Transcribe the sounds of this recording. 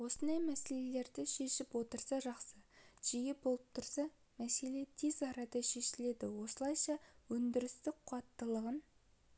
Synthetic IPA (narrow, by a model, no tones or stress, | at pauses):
wo̞sənd̪ɑjmæse̞le̞le̞ɾd̪ɪʃe̞ʃɪpwo̞t̪əɾsɑʒɑqsəʒ̥ijepbolˠəp̚t̪ʰʊɾsɑ | mæse̞le̞t̪ʰe̞zɑɾɑd̪ɑʃe̞ʃɪle̞d̪ɪwo̞səlˠɑjʃɑwɵnd̪ɪɾɪst̪ɪqʰʊɑt̪ːəlˠəʁən